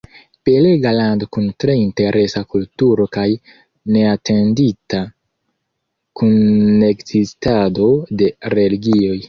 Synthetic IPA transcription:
pe̞le̞ɡalando̞kuntɾe̞inte̞ɾʔe̞sakultuɾo̞kaj | ne̞ate̞ndita | kunːe̞kzistado̞de̞ɾe̞liɡio̞j

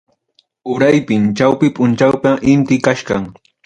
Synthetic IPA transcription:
ʊɾajpɪmt͡ʃawpɪpʊnt͡ʃawpaʔɪnt̪ɪkaʃɢɑŋ

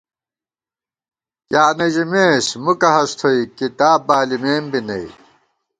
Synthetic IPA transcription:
kjaːnɐʑimeːsmukɐɦɐst̪ʰoikit̪aːbaːlimeːmbinɐ̰i

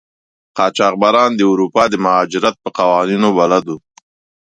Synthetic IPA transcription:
qɑːt͡ʃɑːq̚baɾɑnd̪əʊɾupɑːd̪əmʊɦɑd͡ʒɪɾat̪̚pəqawɑninobalad̪u

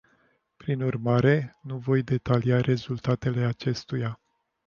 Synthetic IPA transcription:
pɾinurmaɾe̞nuvo̞jd̪e̞t̪aliaɾʔe̞zult̪at̪e̞le̞at͡ʃe̞st̪uja

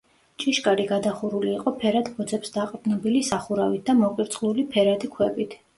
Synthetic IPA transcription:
t͡ʃʼiʃkʼaɾiɡad̪aχuɾuliːqʼɔpʰɛɾad̪bɔd̪zɛpsd̪aqʼbnɔbilisaχuɾavit̪̚ʰd̪amɔqʼiɾt̪sʼlˠulipʰɛɾad̪ikʰwɛbit̪ʰ

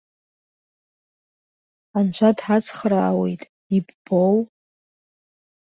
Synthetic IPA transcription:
ant͡ʃʷʰadħat͡sʰʼχraːwe̞̰jtʼ | ibb̥ow

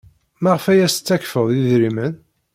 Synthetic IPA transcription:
mæʁfæjæst͡sːækfəðˤjiðɾimən

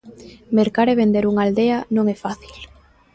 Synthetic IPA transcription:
meɾkaɾeβend̪eɾuŋald̪eanõŋɛfaθil

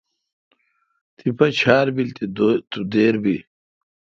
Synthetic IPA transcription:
t̪ipʰɐt͡ɕʰaːɾbilt̪it̪ud̪eːɾbi

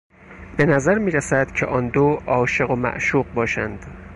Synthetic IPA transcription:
b̥e̞næzæɾmiːɾæsæd̪̥cʰeʔɒːnd̪oːɒːʃe̞ɣo̞mæ̰ʔʃuːqbɒːʃænd̪̥

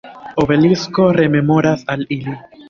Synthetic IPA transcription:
o̞ve̞lisko̞ɾe̞me̞mo̞ɾasalili

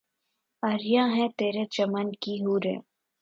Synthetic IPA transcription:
ɐɾjãɦɛ̃t̪eːɾed͡ʒɐmankiɦuːɾḛ̃ː

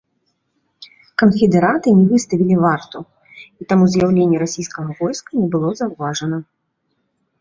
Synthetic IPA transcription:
kɐnfʲɛd̪ɛɾat̪ɨnʲɛvɨst̪ɐvʲilʲivart̪u | it̪amuzʲjawlʲenʲːɛɾasʲijskɐɣɐvɔjskɐnʲɛbɨlˠɔzawvaʐɐnɐ

